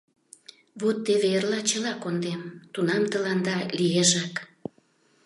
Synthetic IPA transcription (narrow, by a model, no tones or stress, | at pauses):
βut̪ːeβerlɑt͡ɕəlɑkond̪emt̪unɑmt̪əlɑnd̪ɑlijeʒɑk